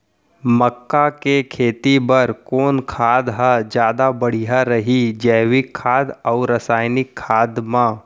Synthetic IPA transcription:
məkːakekʰeːt̪ibəɾkoːnkʰaːd̪ɦad͡ʒjaːd̪abɐɽ̤iɦaɾɐɦid͡ʒɛːʋikʰːaːd̪ɔːɾɾɐsaːjnɪkʰːaːd̪mã

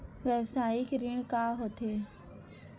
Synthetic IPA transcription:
ʋjəʋsaːikɾɪɳ̃kaːɦot̪ʰe

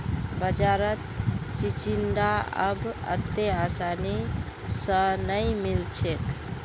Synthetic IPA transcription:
bəd͡ʒaɾət̪t͡ʃit͡ʃind̪aə̰bə̰t̪ːeasani | sə̃nəjmilt͡ʃʰek

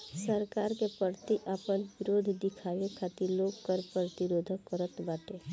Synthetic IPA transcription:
səɾkaːɾkepəɾt̪iʔaːpənʋɪɾoːd̪ʱd̪ɪkʰaːʋekʰaːt̪iloːɡkəɾpɾət̪ɪɾoːd̪ʱəkːəɾət̪baːʈe

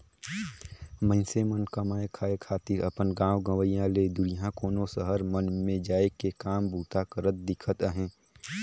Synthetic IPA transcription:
mə̃nsemənkɐmaːekʰaːekʰaːt̪iːɾɐpənɡãːwɡə̃ʋəijãled̪ʊɾijãkoːnosəɦəɾmənmẽd͡ʒaːekekaːmbuːt̪akəɾət̪̚d̪ɪkʰət̪əɦẽː

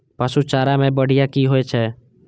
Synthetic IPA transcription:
pəsut͡ʃaːɾamẽːbəɽ̤ɪjakiːɦoet͡ʃʰɛː

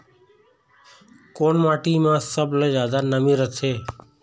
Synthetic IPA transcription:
koːɳmaːʈiːmãːsəbləd͡ʒjaːd̪aːnəmĩɾət̪ʰeː

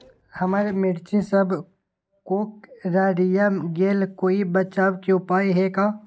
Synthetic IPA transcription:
hɐmaːɾemɪɽt͡ʃẽsəbʱ | koːkɾaːɖijamɡeːlkoːibɐt͡ʃaːbkeʊpaːiɦɛkaː

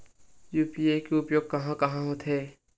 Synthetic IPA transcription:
juːpiekeʊpjoːɡ̚kɐɦãkɐɦãɦot̪ʰɦɛː

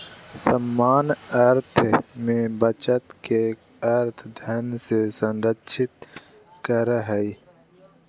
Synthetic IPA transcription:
səmːaːnɐɾt̪ʰmẽbət͡ʃət̪ke | ɐɾt̪ʰd̪ʱɐnsesənɾətːʃʰɪt̪̚ | kəɾɦəi

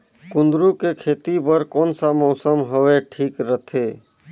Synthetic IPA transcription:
kund̪ɾukekʰet̪ipəɾkoːnsamɔʊsəmɦoweʈʰiːkɾət̪ʰe

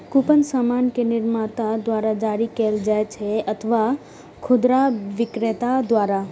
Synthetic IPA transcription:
kupənsamaːnkenɪɾmat̪ad̪waːɾad͡ʒaːɾikeld͡ʒaet͡ʃʰeɐt̪ʰʋa | kʰʊd̪ɾaʋɪkɾet̪ad̪waːɾa

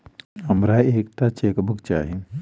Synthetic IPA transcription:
ɦəmɾaeːkʈat͡ʃeːkbəkt͡ʃa̰ːɦin

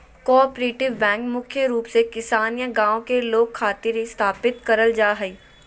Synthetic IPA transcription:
kɔːpɾeːʈɪʋːɛ̃ːŋkmʊkʰjəɾuːpsekɪsaːnijə̃ɡãːõkeloːɡ̚kʰːaːt̪ɪɾst̪ʰaːpɪt̪kɐɾəld͡ʒaːɦɛiː

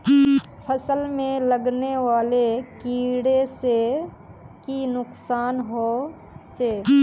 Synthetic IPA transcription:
pʰəsəlmẽləɡneʋaːlekiːɽese | kinʊksaːnɦoː | t͡ʃeː

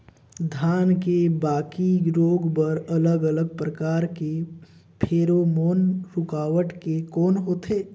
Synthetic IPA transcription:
d̪ʱaːnkebaːkiɾoːɡbəɾɐləɡələɡ̚pɾəkaːɾke | pʰeːɾomoːnɾʊkaːʋəʈkekɔːnɦoːt̪eː

